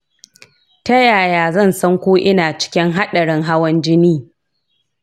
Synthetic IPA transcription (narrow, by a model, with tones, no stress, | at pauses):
tɐ˦jaː˨jaː˨zɐ˦˨nsɐ˦ŋkʷoː˦ʔɪ˦naː˨t͡ʃɪ̥˦kʲɪ˦ŋɦa˦ɗɐ˨ɽɪ˦ŋɦa˦wɐ˦nd͡ʒɪ˦niː˦